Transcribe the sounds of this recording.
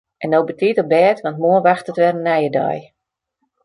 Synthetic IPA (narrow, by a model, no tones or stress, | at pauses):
ʔɛndowbətiətɔbɛːtʋɑntmuənʋaxtətʋɛrənːɛjədɔ̰j